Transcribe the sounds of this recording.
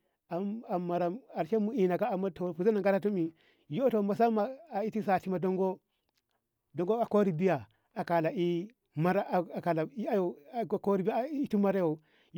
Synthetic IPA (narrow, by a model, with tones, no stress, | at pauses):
a˨a˨mːa˨ɾa˨ma˨ʃe˦mu˦i˨na˨ka˦a˨mːa˦to˨pu˨za˦na˨ŋɡa˦ɾa˦tu˦mi˨ | jo˦to˨ma˨sa˦mːa˨a˨i˦ti˦sa˨ti˦ma˨do˦ŋɡo˦ | do˨ŋɡo˦a˨ko˦ɾi˨bi˦ja˨ | a˨ka˨la˨i˦ | ma˦ɾa˦˨ka˨la˨i˦a˦jo˨ko˦ɾi˦bi˦tu˦ma˦ɾa˦jo˨ | j